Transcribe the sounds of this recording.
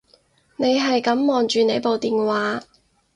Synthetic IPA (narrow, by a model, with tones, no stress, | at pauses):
ne˨˧jɦɐ˨jkɐ˨˥mːɔː˨˩nt͡ʃyː˨ne˨˧jpo˨wt̪iː˨nwaː˨˥